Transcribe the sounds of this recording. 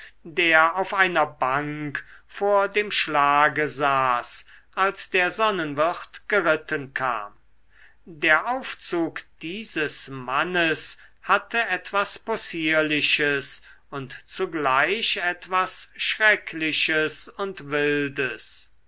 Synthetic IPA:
deːɐaʊfaɪnɐbaŋkfoːɐdeːmʃlaːɡəzaːsʔalsd̥eːɐzɔnənvɪχtɡ̥əʁɪtənkʰa̰ːm | deːɐʔaʊft͡suːkd̥iːzəsmanəs | hatʰəʔɛtv̥asposiːɐlɪʃəs | ʊntt͡suɡlaɪʃɛtv̥asʃʁɛkʰlɪʃəsʊntvɪldəs

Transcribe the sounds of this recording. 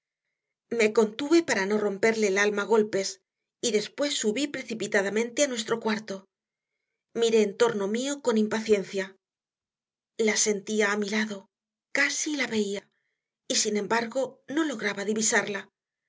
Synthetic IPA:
me̞ko̞nt̪uβe̞paɾano̞ro̞mpe̞ɾle̞ːlalmaɣ̞o̞lpe̞s | iðe̞spwe̞sːuβipɾe̞θipit̪aðamẽ̞nt̪e̞anwe̞st̪ɾo̞kwaɾt̪o̞ | miɾe̞ːnt̪o̞ɾno̞mio̞ko̞nimpaθje̞nθja | lase̞nt̪iaːmilaðo̞ | kasilaβe̞ia | isine̞mbaɾɣo̞no̞lo̞ɣɾaβaðiβisaɾla

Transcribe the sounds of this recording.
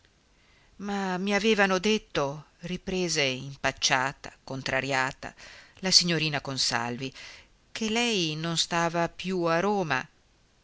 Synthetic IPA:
mamiaveːvanod̪et̪ːo | ripɾeːzeimpat͡ʃːaːt̪a̰kont̪ɾaɾjaːt̪a̰lasiɲːoɾiːnakonsa̰lvi | kʰelɛjnonst̪aːvapjuaɾoːma̰

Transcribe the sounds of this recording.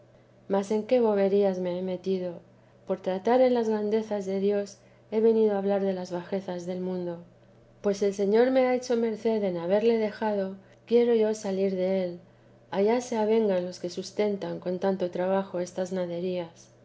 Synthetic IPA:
mase̞ŋke̞βo̞βe̞ɾiazme̞eme̞t̪iðo̞ | po̞ɾt̪ɾat̪aɾe̞nlazɣɾand̪e̞θazðe̞ðjo̞s | e̞βe̞niðo̞aβlaɾðe̞lazβaxe̞θazðe̞lmũnd̪o̞ | pwe̞se̞lse̞ɲo̞ɾme̞ae̞t͡ʃo̞me̞ɾθe̞ðe̞naβ̞e̞ɾle̞ðe̞xað̞o̞ | kje̞ɾo̞ʝo̞saliɾðe̞e̞l | aʝase̞aβ̞e̞ŋɡanlo̞ske̞sust̪e̞nt̪aŋko̞nt̪ant̪o̞t̪ɾaβ̞axo̞e̞st̪aznaðe̞ɾias

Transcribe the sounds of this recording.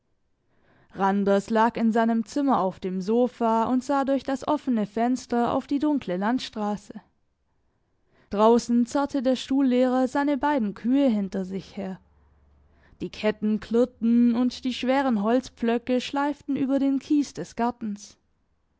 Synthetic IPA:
ʁandɐslaːkɪnzaɪnəmt͡sɪmɐaʊfd̥eːmzoːfaːʊntz̥aːdʊɐçd̥asʔɔfənəfɛnstɐa̰ʊfd̥iːdʊŋkʰləlantʃtʁ̥aːsə | d̥ʁaʊsn̩t͡saɐtʰədeːɐʃtuːlːeːʁɐzaɪnəbaɪdn̩kʰyːəɦɪntɐzɪçheːɐ | d̥iːkʰɛtn̩kʰlɪtn̩ʊntd̥iːʃv̥eːʁ̞ənɦɔlt͡sp͡flœkəʃlaɪftn̩ʔyːbɐdeːnkʰiːsd̥ɛsɡ̥aɐtn̩s

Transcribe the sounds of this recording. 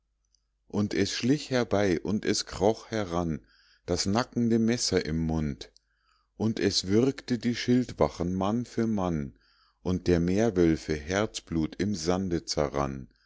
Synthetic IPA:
ʔʊntʰɛsʃlɪçhɛɐbaɪʔʊntɛskʁ̥ɔχhɛɐʁan | d̥asnakŋ̩dəmɛsɐʔɪmːʊnt | ʔʊntɛsv̥ɪʁktədiːʃɪltv̥aχən̩manfyːɐman | ʔʊnt̚d̥eːɐmeːɐvœlfəɦɛɐt͡sb̥luːtʰɪmzandət͡sɛʁa̰n

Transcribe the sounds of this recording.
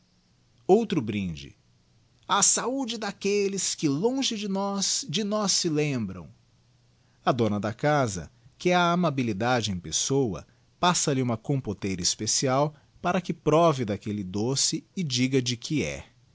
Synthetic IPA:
owt̪ɾʊbɾĩd͡ʒɪ̰ | asaud͡ʒɪd̪akelɪskɪlõʒɪd͡ʒɪnɔsd͡ʒɪnɔsːɪlẽmbɾɐ̰̃w̃ | ɐd̪õnɐd̪ɐkazɐ̰kɪɛɐamabilid̪ad͡ʒɪẽj̃pesowɐ̰ | pasɐlɪũmɐkõpot̪ejɾispesiaw | paɾɐkɪpɾɔvɪd̪akelɪd̪osɪɪd͡ʒiɡɐd͡ʒɪkʰɪɛ̰

